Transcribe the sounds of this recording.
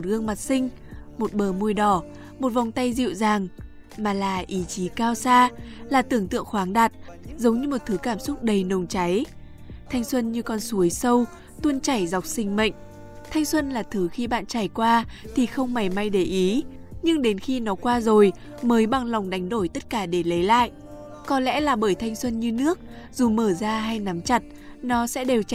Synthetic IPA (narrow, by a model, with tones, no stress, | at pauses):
o˨˩t̚ɣɨ˧əŋma˨˩t̚sï˧ŋ̟ | mo˨˩t̚ɓəː˨˩mu˧əjɗɔ˧˩ | mo˨˩t̚va˨˩wŋ͡mt̪a˧jzḭ˧˨wzaː˨˩ŋ | maː˨˩laː˨˩ʔi˨˦t͡ɕi˨˦kaː˧wsaː˧laː˨˩t̪ɨ˨˧˩əŋt̪ɨ̰˧˨əŋxwaː˨˦ŋɗaː˨˩t̚zə˨˦wŋ͡mɲɨ˧mo˨˩t̚t̪ʰɨ˨˦kaː˧˩msʊ˦˥k͡p̚ɗə˨˩jnə˨˩wŋ͡mt͡ɕa˨˦j | t̪ʰa˧jŋ̟swə˧nɲɨ˧kɔ˧nsu˨˦əjsə˧w | t̪u˧ənt͡ɕa˧˩jza˨˩wk͡p̚sï˧ŋ̟mə̰˧˨ŋ̟ | t̪ʰa˧jŋ̟swə˧nlaː˨˩t̪ʰɨ˨˦xi˧ɓa̰ː˧˨nt͡ɕaː˧˩jkwaː˧t̪ʰi˨˩xə˧wŋ͡mma˨˩jma˧jɗe˧˩ʔi˨˦ | ɲɨ˧ŋɗe˨˦nxi˧nɔ˨˦kwaː˧zo˨˩j | məː˨˦jɓa˨˧˩ŋla˨˩wŋ͡mɗa˨˦jŋ̟ɗo˧˩jt̪ə˦˥t̚kaː˧˩ɗe˧˩lə˨˦jla̰ː˧˨jʔ | kɔ˨˦lɛ̰˧˥laː˨˩ɓəː˧˩jt̪ʰa˧jŋ̟swə˧nɲɨ˧nɨ˦˥ək̚ | zu˨˩məː˧˩zaː˧ɦa˧jna˨˦mt͡ɕa˨˩t̚ | nɔ˨˦sɛ̰˧˥ɗe˨˩w